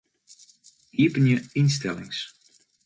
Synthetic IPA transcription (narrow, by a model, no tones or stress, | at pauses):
hipənjəinstɛlɪ̰ŋs